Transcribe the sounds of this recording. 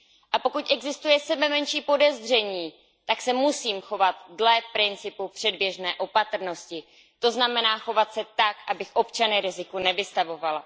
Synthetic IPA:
ʔapo̞kucʔɛɡzɪst̪ujɛsɛbɛmɛnʃiːpo̞dɛzr̝ɛɲiː | t̪aksɛmusiːmxo̞vat̪̚dlɛpɾɪnt͡sɪpupr̝̥ɛdbjɛʒnɛːʔo̞pat̪r̩no̞scɪ | t̪o̞znamɛnaːxo̞vat̪sɛt̪akʔabɪxʔo̞pt͡ʃanɪɾɪzɪkunɛvɪst̪avo̞vala

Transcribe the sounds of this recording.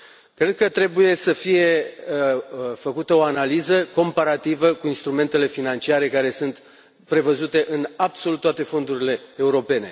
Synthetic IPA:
kɾe̞d̪̚kət̪ɾe̞buje̞səfije̞ | fəkut̪əo̞analizəko̞mpaɾat̪ivəkuinst̪ɾume̞nt̪e̞le̞finant͡ʃiaɾe̞kaɾe̞sɨnt̪ | pɾe̞vəzut̪e̞ʔɨnabso̞lut̪ːoat̪e̞fo̞nd̪uɾile̞ːuɾo̞pe̞ne̞̰

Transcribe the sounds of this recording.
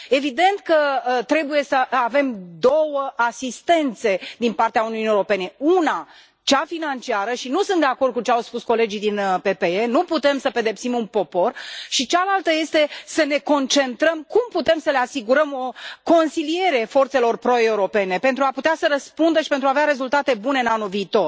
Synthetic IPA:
e̞vid̪e̞nt̪kət̪ɾe̞buje̞səʔave̞md̪o̞wəʔasist̪e̞nt̪se̞d̪inpart̪eauniunijeoɾo̞pe̞ne̞una | t͡ʃafinant͡ʃiaɾəʃinusɨnt̪d̪eako̞rd̪̚kut͡ʃeawspusko̞le̞d͡ʒid̪inəpe̞pe̞enuput̪e̞msəpe̞d̪e̞psimunpo̞po̞rʃit͡ʃalalt̪əje̞st̪e̞səne̞ko̞nt͡ʃe̞nt̪ɾəmkumput̪e̞msəle̞asiɡuɾəmo̞ko̞nsilie̞ɾe̞fo̞rt̪se̞lo̞rpɾo̞e̞uɾo̞pe̞ne̞pe̞nt̪ɾuaput̪easəɾəspund̪əʃipent̪ɾuaveaɾe̞zult̪at̪e̞buneɨnanulviːt̪o̞r

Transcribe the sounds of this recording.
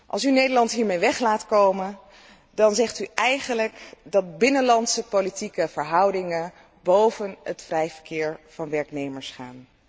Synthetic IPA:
ʔɑ̰lˠsynejdəɹlɑntɦiːɹmejʋɛχlaːtkowmən | dɑnzɛχtyʔɛjχənləkdɑt̚bɪnənlɑntsəpolitikəv̥əɹɦʌwdɪŋən | bowvənətfrɛjv̥əɹkɪːɹv̥ɑnʋɛɹknejməɹsχaːn

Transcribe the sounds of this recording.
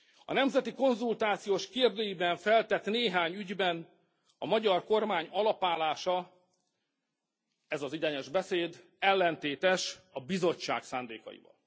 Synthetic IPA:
ɒ̰nɛmzɛt̪iko̞nzult̪aːt̪sijoːʃkeːrd̪øːjibɛɱfɛlt̪ɛt̪neːɦaːɲyɟbɛn | ɒmɒɟɒrko̞rmaːɲɒlɒpaːlaːʃɒ | ɛzɒzid̪ɛɲɛʒbɛseːd̪ | ɛlːɛnt̪eːt̪ɛʃɒbizo̞t͡ʃt͡ʃːa̰ːksa̰ːnd̪ḛːkɒ̰jḭvɒ̰l

